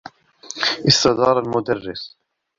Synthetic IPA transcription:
ʔɪsːɑd̪ɑːɾˤalmʊd̪arːɪs

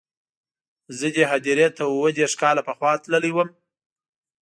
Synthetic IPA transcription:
zəd̪eɦad̪iɾet̪awwəd̪eɾʂkɑlapəxwɑt̪ləliwəm

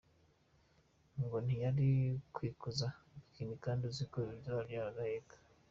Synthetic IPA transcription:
ŋɡon̥ijaɾikwiːkuzaikinikaːndizikoβibjoaɾiaɾaɡahekḁ

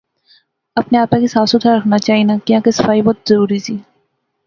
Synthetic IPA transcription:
ɐpneaːpãkisaːsʊt̪ʰaɾɐkʰnat͡ʃaːɦinakjãːkesɐfaːibɔːt̪zɐɾuːɾisʰiː

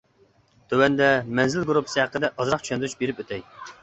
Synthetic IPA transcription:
t̪ʰøwɛnd̪ɛmɛnzɪlɡɾupʰə̥sɨhæqːəd̪ɛʔɑzɾɑχ̚t͡ʃʰy̥ʃɛnd̪ɾyt͡ʃbeɾɪpøt̪ʰɛj

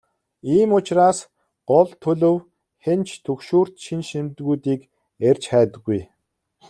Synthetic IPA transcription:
iːmʊt͡ɕraːs | ɢ̥ɔɮt̪ʰɵɮɵ̆w | xent͡ɕt̪ʰɵkʃuːr̥t̪ʃinʃimt̪ɣuːt̪iːk | erʲt͡ɕχæːt̪ə̆ɡːuj

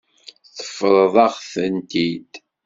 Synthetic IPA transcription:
θə̥fɾˤðˤɑʁθənt̪id̪̥

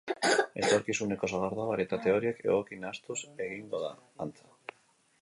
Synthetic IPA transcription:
elt̪oɾkisunekosoɣaɾðoβaɾjet̪at̪eoɾjekḛokinast̪useɣiŋɡoða̰ | ant͡sḁ

